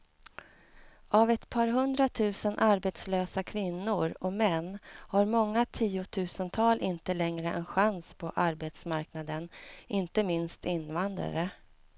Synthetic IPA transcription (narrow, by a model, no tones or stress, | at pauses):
ʔavɛt̪pʰɑːɾɦɵnd̪ɾat̪ʰʉ̟ːsənʔaɾbet̪sløːsakʰvɪnːʊɾɔmɛnːhaɾmɔŋːat̪ʰiːʊt̪ʰʉ̟ːsənt̪ʰɑːlʔɪnt̪əlɛŋɾəʔɛnɧanspʰɔʔaɾbeːt̪smaɾknad̪ənʔɪnt̪əmɪnst̪ɪnvand̪ɾa̰ɾə